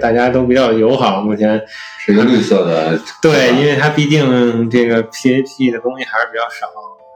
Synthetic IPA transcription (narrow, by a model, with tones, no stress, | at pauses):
t̪a˥˩t͡ɕja˥t̪o˥ʊpi˨˩t͡ɕjɑ˥˩ʊjo˧˥ʊxɑ˨˩˦ʊmu˥˩t͡ɕʰjɛ˧˥nʂɻ̩˥˩i˧˥ɡə˥˧li˥˧sɤ˥˩d̪ə̰˩t̪we˥˩ɪi˥nwe˥˩ɪt̪ʰa˥pi˥˧t̪i˥˩ŋʈ͡ʂɤ˥˩ɡə˩pʰi˥˩˥pʰi˥˩d̪ə˩t̪ʊ˥ŋɕi˥˩xʂ̩ɻ̩˥pi˨˩t͡ɕjɑ˥˩ʊʂɑ˨˩˦